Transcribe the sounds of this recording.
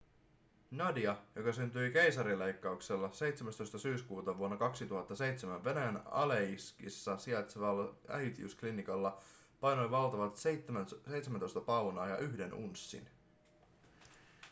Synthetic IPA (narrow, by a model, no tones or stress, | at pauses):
nɑdiɑjo̞kɑsynt̪yjke̞jsɑɾilːe̞jkːɑukse̞lːɑse̞jt̪semæst̪o̞jst̪ɑsyːskuːt̪ɑʋuonːɑkɑksit̪uɦɑt̪ːɑse̞jt̪semæʋʋe̞næjænɑ̰leiskḭsːɑsiet̪sʋɑlːɑæ̰jt̪iy̰sklinikɑlːɑ | pɑjno̞jʋɑlt̪ɑʋɑt̪ːsejt̪semæno̞jst̪ɑpɑwnɑːjɑ̰ʔyɦde̞nṵnsːḭn